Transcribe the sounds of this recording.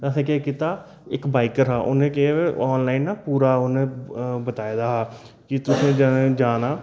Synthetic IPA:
t̪asẽːkeekit̪aː | ɪkbaːɪkəɾɦaːʔo̰nẽːkɪeeːɔːnlaːinːaːpuːɾaːonẽːbət̪aːed̪aːɦaː | kɪt̪ʊsẽːd͡ʒed͡ʒaːnaː

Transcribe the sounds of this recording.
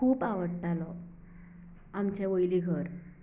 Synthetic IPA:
kʰuːpaʋəɽʈalɔ | amt͡ɕeʋəjliɡʱəɾ

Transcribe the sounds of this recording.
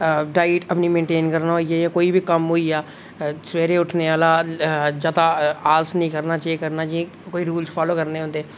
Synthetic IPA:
ɖaːiʈəpniːmẽːɳʈeːnkəɾnaːɦoːiaːjãːkoːiːbʱiːkəmɦoːiːaː | sʋeːɾeːʊʈʰneːaːlaːd͡ʒaːd̪aːaːlsnĩːkəɾnaːt͡ʃːiːkəɾnaːd͡ʒiẽ | koːiːɾuːlt͡ʃpʰaːloːkəɾneːɦõːnd̪eː

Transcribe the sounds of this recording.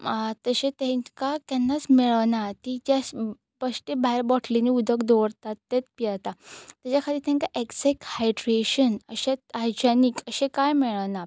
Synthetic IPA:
t̪əɕẽt̪ẽŋkak̪ɛnːat͡smiɭəʋnat̪id͡ʑas | bəsʈebaɦɛɾbɔʈʰliniud̪ʱəkd̪ɔɾt̪at̪ːet̪̚pijat̪at̪jat͡ɕakʰat̪iːɾt̪jẽŋkaʔeksɛkhajɖɾeɕənəɕeaɾd͡ʑanikəɕẽkajmiɭəʋna

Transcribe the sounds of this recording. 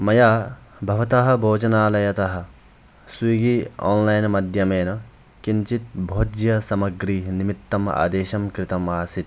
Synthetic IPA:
mɐjaːbʱɐʋɐt̪ɐɦɐ̆bʱoːd͡ʒɐnaːlɐjɐt̪ɐɦɐ̆ | swiɡiːo̰ːnlɐjnmɐd̪ʱjɐmeːnɐ | kint͡ʃit̪̚bʱoːd͡ʒjɐsɐmɐɡɾiːnimit̪ːɐma̰ːd̪eːʃɐmkɾɪt̪ɐmaːsit̪̚

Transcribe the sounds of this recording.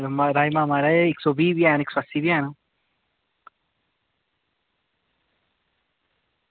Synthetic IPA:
maɾajmamaɾaeiksobibjanikswasibjanu

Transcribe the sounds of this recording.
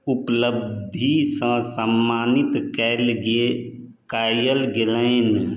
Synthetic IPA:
ʊpləbd̪ʱisə̃səmːaːnɪt̪kɛːlɡe | kaːjəlɡelɛ̃n

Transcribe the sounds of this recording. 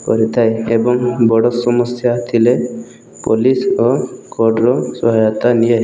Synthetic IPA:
kɔɾit̪ʰajebɔŋbɔɽɔsɔmɔsjat̪ʰile | polisɔkɔɖɾɔsɔɦajɔt̪anije

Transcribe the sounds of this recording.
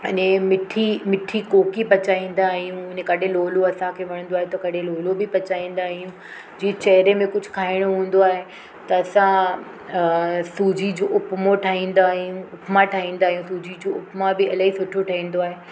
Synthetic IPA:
ɐɲẽmɪʈʰimɪʈʰikoːkipɐt͡ɕaːĩːn̆d̪aːɦijũʊnẽkɐɗʱẽloːloɐsãkʰeːʋɐɽ̃ə̃nd̪oaːɦet̪ɐkɐɽʱẽloːlobɪpɐt͡ɕaːĩːn̆d̪aːɦijũ | d͡ʑiːet͡ɕɐɦɾemẽkʊd͡ʑʱʊkʰaːɪɽ̃oɦũːn̆d̪oaːɦe | t̪ɐɐsã | suːd͡ʑid͡ʑoʔʊpmoʈʰaːɦĩːn̆d̪aːɦijũʊpmaʈʰaːɦĩːnd̪aːɦijũsuːd͡ʑid͡ʑoːʊpmabɪɐlaɦisʊʈʰoʈʰaːĩːn̆d̪oaːɦe

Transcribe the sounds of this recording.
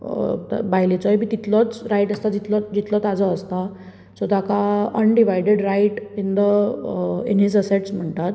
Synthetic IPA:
t̪bajlet͡sɔjbiːt̪it̪lɔt͡sɾajʈəst̪ad͡ʑit̪lɔd͡ʑit̪lɔt̪ad͡zɔəst̪a | sɔd̪akaənɖiʋajɖeɖɾajʈind̪ə | ḛnisəseʈsm̤əɳt̪at̪

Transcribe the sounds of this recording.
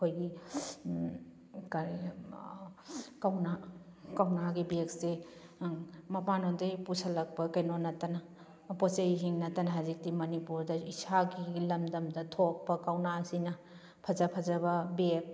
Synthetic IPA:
kʰojɡi | kaɾ | kawna | kawnaɡibekse | mɐpanondɐjpusɐlɐk̚pɐkɐjnonɐtɐnɐ | pɔt͡ʃejɦiŋnɐtɐnɐɦazik̚timɐnipuɾdɐisʰaɡilɐmdɐmdɐtʰok̚pɐkawnasinɐ | pʰɐzɐpʰɐzɐbɐbek̚

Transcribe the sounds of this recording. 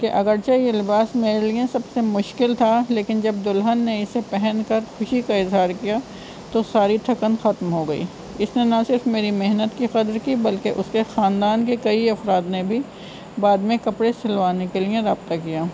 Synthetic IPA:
keʔɐɡəɾt͡ʃajelɪbaːsmeːɾeliẽsɐbsemʊʃkɪlt̪ʰaleːkɪnd͡ʒɐb̚d̪ʊlɦənːeɪsepɛɦɛ̃nkɐɾxʊʃikaɪzɦaːɾkija | t̪osaːɾit̪ʰɐkənxɐt̪mɦoɡɐḭː | ɪsnenɐsɪɾfmeːɾimeɦnət̪kixɐd̪ɾkibɐlkeʔʊskexaːnd̪aːnkekɐiɐfɾaːd̪nebʱi | baːd̪mẽkɐpɽesɪlʋaːnekelijẽɾaːbt̪akijaː

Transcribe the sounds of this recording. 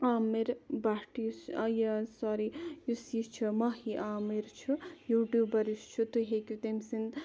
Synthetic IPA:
aːmiɾbaʈisjɐsaɾijusist͡ʃʰumɐhiʔaːmiɾt͡ʃʰujuʈjubɐɾist͡ʃʰut̪uɦekʲut̪emsin

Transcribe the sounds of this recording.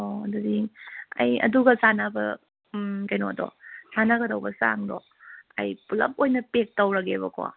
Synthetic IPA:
odudiŋɐ̰jɐ̰duɡɐsanabɐ̰ | kɐjnodɔ̰sanaɡɐdɐwbɐsa̰ŋdɔ | ɐ̰jpulɐ̰p̚ojnɐpek̚tɐwɾɐɡeβɐkɔa̰

